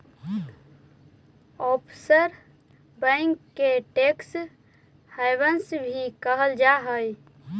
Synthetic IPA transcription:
ɔpʰsəɾ | bə̃ŋkːeʈeks | haɪbənsbʱikəɦəld͡ʒaɦəj

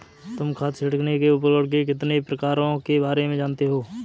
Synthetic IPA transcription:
t̪ʊmkʰaːt̪sɪʈəknekeʊp̬əɾəɽk̬ek̬ɪt̪nepɾəkaːɾõkebaːɾemẽd͡ʒaːnt̪eɦoː

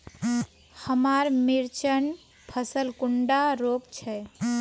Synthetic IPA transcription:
həmaɾmiɾt͡ʃən | pʰəsəlkuɳɖaɾopt͡ʃʰɛ

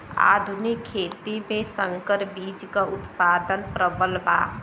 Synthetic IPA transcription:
a̰ːd̪ʱʊnɪkʰːeːt̪imẽsə̃ŋkəɾbiːd͡ʒkaʊt̪paːd̪ənpɾəbəlba̰ː

